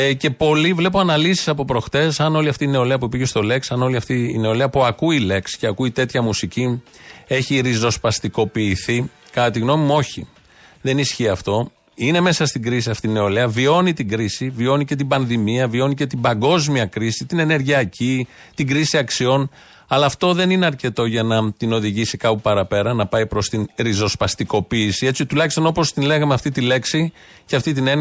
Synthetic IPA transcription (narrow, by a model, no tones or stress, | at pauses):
ce̞po̞livle̞poɐnɐlisi̥sɐpo̞pɾo̞xt̪e̞sɐno̞liɐft̪iːne̞o̞leɐp̬uipiʝe̞st̪o̞le̞ksɐno̞liɐft̪iːne̞o̞leɐpuɐkuile̞ksceɐkuit̪e̞t̪çɐmusici | e̞çiɾizo̞spɐst̪iko̞piːθi | kɐt̪iɣno̞mimo̞çḭ | ðe̞nisçiɐft̪o̞ | ine̞me̞sɐst̪iɡɾis̬iɐft̪iine̞o̞leɐvio̞nit̪iɡɾisivio̞nice̞t̪̬ibɐnðimiɐvio̞nice̞t̪imbɐŋɡo̞zmiɐkɾisit̪ine̞ne̞ɾʝiɐcʰi | t̪iɡɾisiɐksio̞n | ɐlɐːft̪o̞ðe̞nine̞ɐɾce̞t̪o̞ʝɐnɐt̪ino̞ðiʝisikɐpupɐɾɐpe̞ɾɐnɐpɐjpɾo̞st̪inɾizo̞spɐst̪iko̞piːsie̞t͡sit̪ulɐçist̪o̞no̞po̞st̪inle̞ɣɐmeɐft̪it̪ile̞ksicɐft̪it̪ine̞n